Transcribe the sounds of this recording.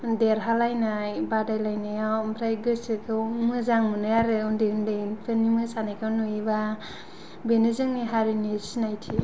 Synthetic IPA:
deɾɦalajnajbadajlajnajawmʰɾajɡɯsɯkʰɯmɯzaŋmɯnɯjaɾɯundeundɯjtʰɯnimɯsanajkʰanuiba | benɯzɯŋniɦaɾinisinajtʰi

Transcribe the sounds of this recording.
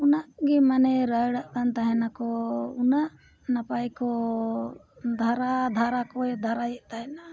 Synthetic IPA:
unaʔɡimanɛɾəjɽaʔk̪ant̪aɦɛnakɔunaʔ | napajkɔ | d̪ʱaɾad̪ʱaɾakɔjd̪ʱaɾajɛʔt̪aɦɛna

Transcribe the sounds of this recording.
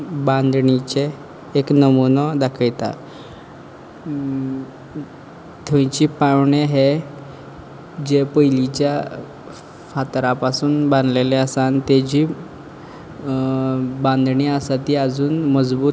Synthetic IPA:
bãnd̪ɳit͡ɕeː | knəmunɔd̪akʰəjt̪a̰ | t̪ʰõjt͡ɕiːpawɳeɦe | d͡ʑepəjlit͡ɕja | fat̪ɾapasuːnbãnd̪leleəsant̪ed͡ʑiː | bãnd̪ɳiasat̪iːəd͡zuːnməd͡zbuː

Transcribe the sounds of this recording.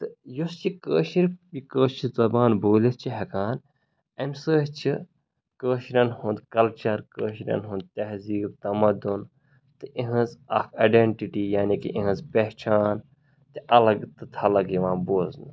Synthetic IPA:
t̪ɨjust͡ʃʰikəːʃiɾikəːt͡ʃʰiɾzɐbaːnboːlist͡ʃʰiɦɐkaːn | ɐmʲsəːɦt͡ʃʰi | kəːʃɾʲɐnhũnd̪kɐlt͡ʃɐɾkəːʃɾʲɐ̰nɦũnd̪̚t̪ɐɦziːb̚t̪ɐmɐd̪un | t̪ɨʔiɦɐ̃zafɐɖeɳʈiʈijaːnikḭʔĩɦɐ̃nzpeht͡ʃaːn | t̪iʔɐlɐɡt̪ɨt̪ʰɐlɐɡjiʋãːnboːznɨ

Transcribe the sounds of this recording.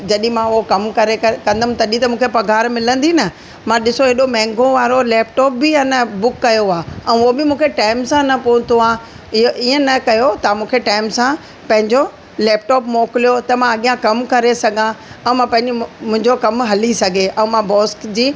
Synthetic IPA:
d͡ʑɐɗĩmãʊɦokɐmkɐɾekɐ̃nd̪əm̃t̪ɐɗĩt̪ɐmũːkʰepɐɡʱaːɾmɪlə̃nd̪inɐ | mãɗɪsoɦeɗomɛ̃ːŋɡõʋaːɾolɛːpʈɔːp̚bɪanɐbʊkːɐjoaːɛ̃ːʊobɪmũːkʰeʈaːɪmsãnɐpoʊ̃t̪ʰoaː | ɪoʔiːə̃nɐkɐjot̪amũːkʰeʈaːɪmsã | pɐ̃ɦɪ̃ɲd͡ʑo | lɛːp̚ʈɔːpmoːkɪlijot̪ɐmãɐɠijãkɐmkɐɾesɐɡʱãɛ̃ːmãpɐ̃ɦɪ̃ɲd͡ʑemʊ̃ɦɪ̃ɲd͡ʑokɐmɦɐlisɐɡʱeʔɛ̃ːmãbɔːskd͡ʑiː

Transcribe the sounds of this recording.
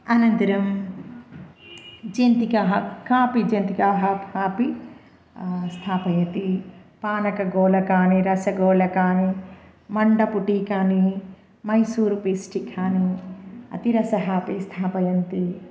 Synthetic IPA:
ɐnɐnt̪ɐɾɐm | d͡ʒent̪ikɐɦɐkaːpid͡ʒɐnt̪ikaɦɐphaːpi | st̪ʰaːpɐjɐt̪ipaːnɐkɐɡoːlɐkaːniɾɐsɐɡoːlɐkaːni | mɐɳɖɐpuʈikaːni | mɐjsuːɾupisʈikʰaːniɐ̰t̪iɾɐsɐɦaːpist̪ʰaːpɐjɐnt̪i

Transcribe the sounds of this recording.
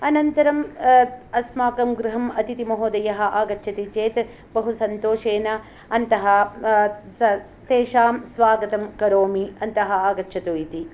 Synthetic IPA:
ɐnɐnt̪ɐɾɐm | ɐsmaːkɐmɡɾuɦɐmɐt̪it̪imɐɦoːd̪ɐjɐɦɐ̆ʔaːɡɐʃʰɐt̪it͡ʃeːt̪ | bɐɦusɐnt̪oːʂeːnɐː | nt̪ɐɦɐ | ɐ | t̪eːʃaːmsʋaːɡɐt̪ɐmkɐɾoːmiɐnt̪ɐɦɐaːɡɐtːʃʰɐt̪oːjit̪i

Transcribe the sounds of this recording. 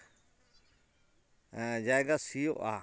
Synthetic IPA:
d͡ʒaːeɡasijo̰ʔa̰

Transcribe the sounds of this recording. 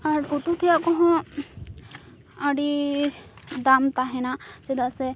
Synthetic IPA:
aɾut̪ut̪ʰijakɔɦɔ̃ | aɖi | d̪amt̪aɦɛnased̪asɛ

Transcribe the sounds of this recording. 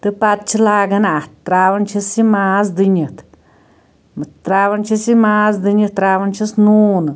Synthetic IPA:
t̪ɨpat̪̚t͡ʃilaɡanaʔt̪ɾaβant͡ʃisimasd̪ɨɲɨt̪ | mɨt̪ɾaβant͡ʃisimasd̪ɨɲɨt̪ːɾaβant͡ʃisnunɨ

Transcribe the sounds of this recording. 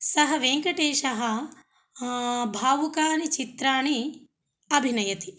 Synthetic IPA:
sɐɦɐ̆ʋeːŋkɐʈeːʃɐɦɐ | bʱaːʋukaːɳit͡ʃit̪ɾaːɳi | ɐbʱinɐjɐt̪i

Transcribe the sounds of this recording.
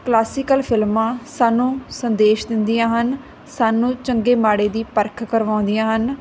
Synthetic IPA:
klaːsɪkəlpʰɪlmãːsaːnːũːsənd̪eːʃd̪ɪnd̪ijãːɦən | saːnũːt͡ʃəŋɡeːmaːɽeːd̪iːpəɾkʰkəɾʋãːʊ̃nd̪ɪjãːɦən

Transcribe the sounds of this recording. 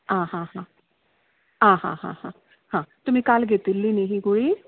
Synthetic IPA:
ãːɦãːɦãː | ɦãːɦã̰ːɦãːhãː | hãːt̪ʊmẽːkalɡet̪ɪlːiːneɦĩɡoiː

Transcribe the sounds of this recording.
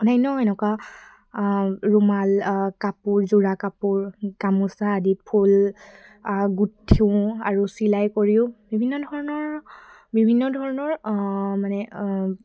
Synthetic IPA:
ɔnajnɔɛnɛkwa | ɹumalkapuɹzuɹakapuɹkamusaːdipʰul | ɡutʰːiʊ̃aɹusilajkoɹiʊ̃bibʱinːɔdʱɔɹɔnɔɹ | bibʱinːɔdʱɔɹɔnɔɹmanɛ

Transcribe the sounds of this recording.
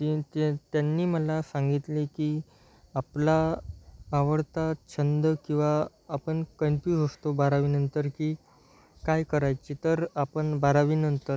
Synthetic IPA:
t̪it̪et̪janːiːməlasãŋɡit̪likiː | aplaː | ʋəɽt̪at͡ɕʰənd̪əkĩw̃ʋaː | pəɳkənpjutəst̪obaɾaʋiːnənt̪əɾkiː | kajkəɾajt͡ɕit̪əɾapəɳbaɾaʋiːnənt̪əɾ

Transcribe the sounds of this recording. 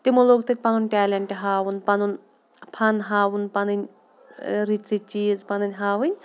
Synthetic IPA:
t̪imulok̚t̪ɨt̪̚ʲpɐnunʈʲɛːlʲeɳʈeɦaːwunpɐnun | pʰɐnɦaːwunpɐnɨnʲ | ɾit̪ɾit͡ʃiːzpɐnɨnʲɦaːʋɨnʲ

